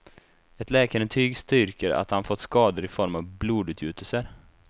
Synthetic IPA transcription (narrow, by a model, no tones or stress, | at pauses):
ɛt̪lɛːkəɾənt̪ʰyːɡst̪ʏɾkəɾa̰t̪hanfɔt̪skɑːd̪əɾɪfɔɾmavbluːd̪ʉːt̪ʰjʉ̟ːt̪ʰəlsəɾ